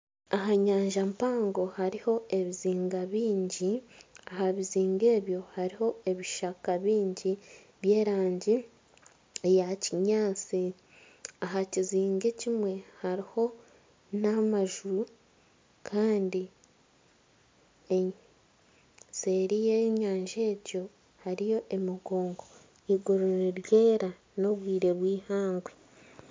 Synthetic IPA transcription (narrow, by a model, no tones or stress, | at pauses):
aɦaɲaːɲʒampaːŋɡo̞haɾiho̞e̞βiziːŋɡaβiːɲɟiahaβiziːŋɡe̞ːβjo̞haɾiho̞e̞βiʃakaβiːɲɟi | βje̞ːɾaːɲɟi | ejaciɲaːt͡si | aɦaciziːŋɡecimwe̞haɾiho̞ | namaʒuɾu | kʰaːndi | se̞ɾijeɲaːɲʒe̞ːɟo̞ | haɾijo̞ʔe̞miɡoːŋɡo̞ | iɡoɾoɾeɾjeːɾa | no̞βwiːɾe̞βwiːhaːŋɡwe